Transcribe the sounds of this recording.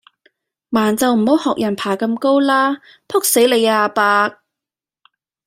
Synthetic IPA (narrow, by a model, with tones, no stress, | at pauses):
maː˨˩nt͡sɐ˨wm̩˨˩ho˨˥whɔː˨k̚jɐ˨˩npʰaː˨˩kɐ˧mko˥wlaː˥ | pʰʊ˥k̚se˨˥jle˨˧jaː˧paː˧k̚